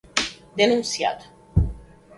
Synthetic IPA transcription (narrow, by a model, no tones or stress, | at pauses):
d̪enũnt̪sia̰t̪